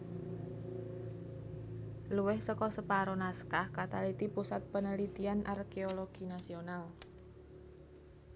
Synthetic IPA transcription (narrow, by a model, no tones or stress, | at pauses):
luwɛhsəkɔsəpaɾonaskahkat̪alit̪ipusat̪̚pənəlit̪ianʔa̰rkeoloɡ̥inasional